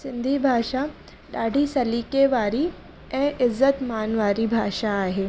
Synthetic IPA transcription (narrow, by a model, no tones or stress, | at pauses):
sind̪ʱiːbʱaʂa | ɖaɖʱiːsəlikeʋaɾiː | ẽɪzːət̪manʋaɾiːbʱaʂaːɦe